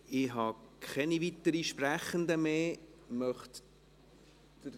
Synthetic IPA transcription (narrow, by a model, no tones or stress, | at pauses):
ɪɦɑkʰχɛnivit̪əɾiʃpɾæχənd̪əmeːmœχt | tə